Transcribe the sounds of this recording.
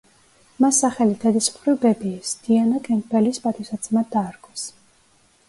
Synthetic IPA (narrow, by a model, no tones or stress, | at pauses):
masːaχɛlid̪ɛd̪ismχɾivbɛbiːsd̪̥ianakʼɛnɡbɛlispʼat̪ʰisad̪sʰmad̪aːɾkʼʰɔs